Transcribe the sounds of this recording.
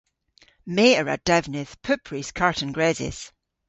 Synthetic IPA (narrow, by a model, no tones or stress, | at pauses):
meːəɹa̰d̥ɛvnɪθpʰʉpʰɹiskʰaɹʔə̃nɡɹɛzɪ̰s